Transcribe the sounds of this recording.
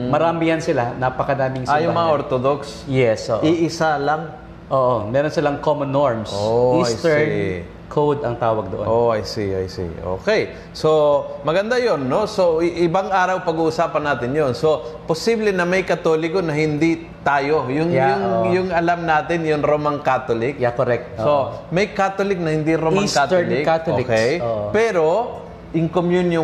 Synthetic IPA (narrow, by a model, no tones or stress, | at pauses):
mɐɾaːmɪjɐnsɪlanapɐkɐnaːmɪŋsajʊŋmɐŋaʔoɾt̪od̪oks | jɛsʔoʔiʔɪsalɐŋ | ʔoːʔomɛːɾonsɪlaŋkomonːoɹmsoisjt̪ɛ | kʰowd̪ɐŋt̪aːwɐɡ̚d̪oʔo̰oʔajsiʔajsḭʔo̰ːkɛj | somɐɡɐnd̪ajonːosoʔɪbaŋʔaːɾɐwpɐɡuʔʊsaːpɐnːaːt̪ɪnjonso̞posiːblɛnɐmɐjkɐt̪oːlɪkonɐɦɪnd̪i | t̪aːjo̞jʊŋjʊŋjʊŋɐlamnaːt̪ɪnjʊŋɾomaŋkaːt̪olɪkjakoɾɛk̚t̪̚somɐjkaːt̪olɪk̚nɐhɪnd̪iɾomaŋkat̪lɪkkat̪okɛjpɛːɾo̞ | ʔɪŋkomjunjo